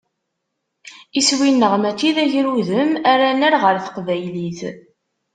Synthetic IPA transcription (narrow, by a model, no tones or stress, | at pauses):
iswinːəʁmæt͡s̪ːiðæʝɾuðəmæɾænæɾʁəɾθə̥qvæjliθ